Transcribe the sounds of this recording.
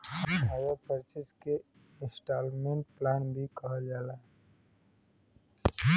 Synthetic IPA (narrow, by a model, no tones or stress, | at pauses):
hɦawapəɾt͡ʃɪske | ɪ̃nsʈaːlmẽɳʈ̚plaːnbʱikəɦd͡ʒaːlaː